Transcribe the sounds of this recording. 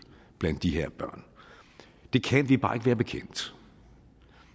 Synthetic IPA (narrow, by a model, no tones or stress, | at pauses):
b̥lænd̥ːiɦeɐ̰b̥ɶɐ̰n | d̥e̝kʰænʋib̥ɑ̈ːe̝ɡ̥əʋæːɐb̥e̝kʰen̰d̥